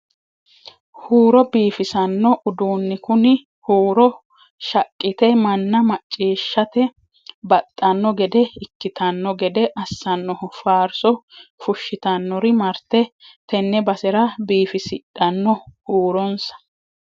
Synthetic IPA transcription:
huːɾɔbiːfɪsɐnːɔʔʊd̪uːnːɪkʊnɪ | huːɾɔ | ʃɐkʼːɪt̪ɛmɐnːɐmɐt͡ʃʼːiːʃːɐt̪ɛ | bɐt̪ʼːɐnːɔɡɛd̪ɛɪkːɪt̪ɐnːɔɡɛd̪ɛʔɐsːɐnːɔhʊfaːɾsɔfʊʃːɪt̪ɐnːɔɾɪmɐɾt̪ɛt̪ɛnːɛbɐsɛɾɐbiːfɪsɪɗɐnːɔhuːɾɔnsɐ̥

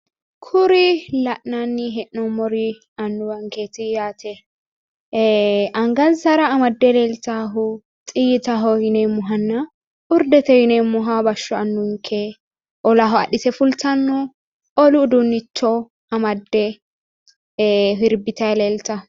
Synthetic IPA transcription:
kʰʊɾɪlɐʔnanːɪɦɛʔnɔmɔɾi | ɐnːʊwɐŋkeːt̪ɪjaːt̪ʰɛ | ʔɐŋɡɐnsɐɾɐːmɐd̪ːɛleːlt̪aːɦʊ | t̪ʼɪjɪt̪aɦɔhɪnemːʊɦɐnːɐ | ʊɾd̪ɛt̪ɛhɪnɛmːʊɦabɐʃːɔɐnːʊŋkʰɛ | ʔɔlaɦɔɐ̰ɗɪsɛfʊlt̪ɐnːʊ | ɔlʊd̪ʊnːɪtːɔ | ɐmɐd̪ːɛ | ɦɪɾbɪt̪ɐɛleːlt̪ɐ

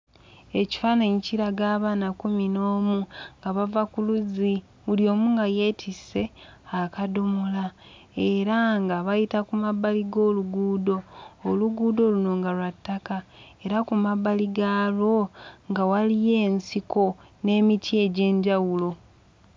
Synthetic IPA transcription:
e̞ci̥fanaɲiciɾaɡaːβaːnakuminoːmuŋɡaβavakuluzi | βuljo̞ːmuŋɡaje̞ːtʰise̞akadomola | eɾaŋɡaβajitakumabaliɡo̞ːluɡuːdo̞ːluɡuːdo̞luno̞ːŋɡalwatːakae̞ɾakumabaliɡalo̞ŋɡawalije̞ːnsiko̞ne̞ːmitʰie̞ɟe̞ːɲɟawulo̞

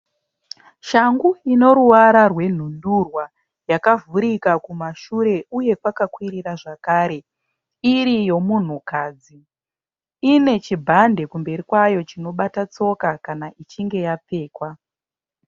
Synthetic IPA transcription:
ʃaŋɡuino̞ɾuwaɾarwe̞n̤undurwa | jakavuɾikakumaʃuɾe̞uje̞kwakakwiɾiraʐakaːɾe̞ | iɾijo̞mun̤ukaːd͡zi | ine̞t͡ʃibʱande̞kumbe̞rikwajo̞t͡ʃino̞ɓatat͡so̞kakanaʔit͡ʃiŋɡe̞jap͡fe̞ːkwa

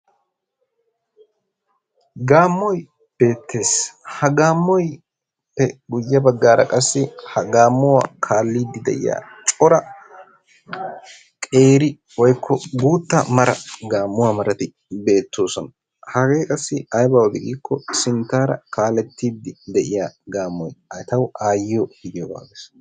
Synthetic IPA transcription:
ɡaːmːɔj | b̥e̞ːt̪ʰːe̞ːshɐɡaːmːɔj | pːɛɡʊjːɐbɐɡːaːɾɐ̰kʼɐsːɪhɐɡaːmːʊwaːkʰaːlːiːd̪ːɪd̪ɛ̰ʔjɪ̰ja̰ːt͡ʃʼɔɾɐ | kʼe̞ːɾɪ | wɔjkʰːɔɡuːt̪ːɐmɐɾɐɡaːmːʊwaːmɐɾɐt̪ɪ | be̞ːt̪ːoːsɔn | hɐɡe̞ːkʼɐsːɪɐjbaːwd̪ɪɡiːkːɔsɪnt̪ːaːɾɐ̰kaːlːɛt̪ːiːd̪ːɪd̪ɛʔɪjaːɡaːmːɔjɐt̪ɐwʔaːjːɪjɔhɪd̪ɪjɔba̰ːɡeːs

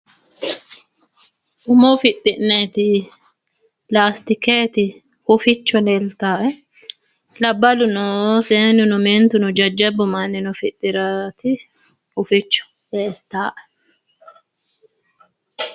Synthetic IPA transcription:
ʔʊmɔfɪt̪ʼːɪnːeːt̪ɪ | laːst̪ɪkeːt̪ɪ | hʊfɪt͡ʃːɔleːlt̪aːʔɛ | lɐbːɐlʊnɔseːnʊnʊmɛnt̪ʊnɔd͡ʒɐd͡ʒːɛbːʊmɐnːɪnɔfɪt̪ʼːɪɾat̪ɪ | hʊfɪt͡ʃːɔ̥ | leːlt̪aːʔɛ̥

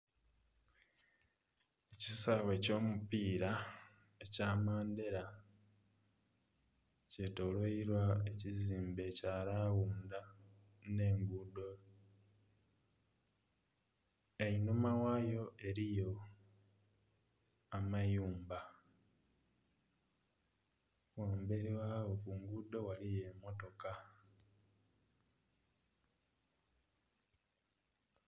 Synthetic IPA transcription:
ecisaβe̞co̞ːmupiːɾa | ecaːmaːnde̞ɾa | ce̞to̞lwoiɾwae̞ciziːmbe̞caːlaːwuːnda | ne̞ːŋɡudo̞ | einumawajo̞ʔe̞ɾijo̞ | amajuːmba | waːmbe̞ɾiwaːwo̞kuŋɡudo̞walije̞ːmo̞to̞ka

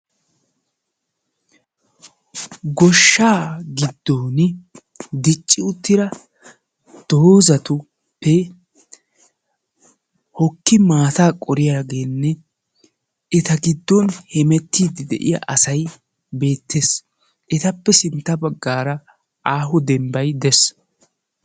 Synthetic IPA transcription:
ɡɔʃːaːɡɪd̪ːoːn | d̪ɪt͡ʃʼːɪʊt̪ːɪɾɐ | d̪̥oːzɐt̪ʊ | pːɛ | hɔkːɪmaːt̪aːkʼɔɾɪjaːɡe̞ːnːɛ | ɛt̪ɐɡɪd̪ːɔnhɛmɛt̪ːiːd̪ɪd̪ɛ̰ʔɪ̰ja̰ʔɐsɐj | be̞ːt̪ːeːs | ʔɛt̪ɐpːɛsɪnt̪ːɐbɐɡːaːɾɐ | ʔaːɦʊd̪ɛmbɐjd̪ɛs

